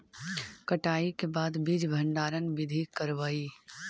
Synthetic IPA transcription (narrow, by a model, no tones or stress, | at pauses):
kəʈaːikebaːd̪bid͡ʒbʱə̃ɳɖaːɾənʋɪd̪ʱikəɾʋəːi